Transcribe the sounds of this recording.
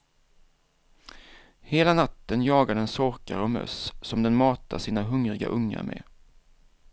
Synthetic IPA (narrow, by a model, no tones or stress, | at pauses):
heːlanat̪ːənjɑːɡad̪ɛnsɔɾkaɾɔmœ̰ssɔmd̪ɛnmɑːt̪ʰaʂiːnaɦɵŋɾɪɡa̰ʔɵŋːa̰ɾmʔɛ̰ː